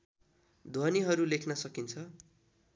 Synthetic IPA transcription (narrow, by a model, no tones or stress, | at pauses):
d̪ʱwʌniɦʌɾulekʰnʌsʌkint͡sʰʌ